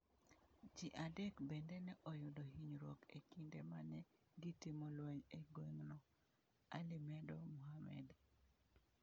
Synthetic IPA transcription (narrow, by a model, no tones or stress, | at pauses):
d͡ʒiʔadɛkbendɛnɛʔɔjʊdoɦiɲɾɔkḛkindemanɛ | ɡitimolwɛɲeɡweŋnɔ | alɪmɛdɔmuhamɛ̰d